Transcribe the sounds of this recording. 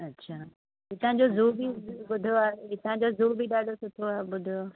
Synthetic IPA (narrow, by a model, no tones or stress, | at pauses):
ɐtːɕʰaː | ɦit̪ɐ̃ɦɪ̃ɲd͡ʑozuːbibʊd̪ʱoaːeɪt̪ɐɦɪ̃ɲd͡ʑozuːɾbiɗaːɖosʊt̪ʰoaːɓʊd̪ʱjo